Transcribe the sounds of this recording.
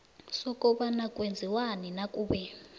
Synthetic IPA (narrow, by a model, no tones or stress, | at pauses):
sɔkʼɔɓanakʼwend͡zʱiwaninakʼuːɓɛ